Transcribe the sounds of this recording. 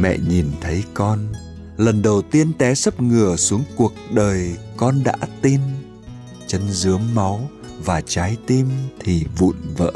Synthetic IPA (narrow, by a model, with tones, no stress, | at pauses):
mɛ̰˧˨ɲi˨˩nt̪ʰə˨˦jkɔ˧n | lə˨˩nɗə˨˩wt̪i˧ənt̪ɛ˨˦sə˦˥p̚ŋɨ˨˩əsu˨˦əŋku˨˩ək̚ɗəː˨˩jkɔ˧nɗa̰ː˧˥t̪i˧n | t͡ɕə˧nzɨ˨˦əmːa˨˦w | vaː˨˩t͡ɕaː˨˦jt̪i˧mt̪ʰi˨˩vṵ˧˨nvə̰ː˧˥